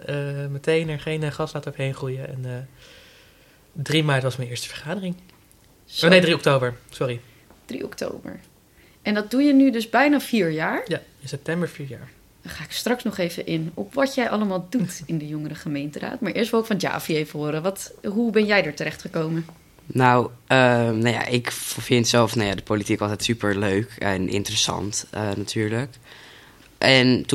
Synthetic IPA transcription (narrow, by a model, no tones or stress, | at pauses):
əmətejnɛɹχejnχɑstlaːtəɔvəɦejnχrujəɛ̰nː | drimaːɹtʋɑsmɛnɪːɹstə̥vəɹχaːdərɪŋ | nedriɔk̚towbəɹsʊɾi | d̥rḭɔ̰kto̰wbə̰ɹ | ʔɛndɑt̚dujənydɵzbɛjnaːviːɹjaːɹɪnsɛp̚tɛmbəɹfiːɹja̰ːɹ | χaːɪkstrɑksnɔχejvə̰ʔɪnɔpʋɑtjɛjʔɑləmaːlˠdutɪndəjɔŋəɾəχəmejntəra̰ːtmaːɹʔɪːɹstʋɪlˠɪkfɑnd͡ʒa̰ːfiejvəɦʊːɾəʋɑtɦubɛnjɛjdəɹtəɾɛχtχəkowmə | nawənaja̰ʔɪkfɪntsɛlˠfnajadəpolitikɑlˠtɛjtsypəɹløɥkɛnʔɪ̰ntərəsɑ̰ntənatʰyːɹlək | ʔɛntu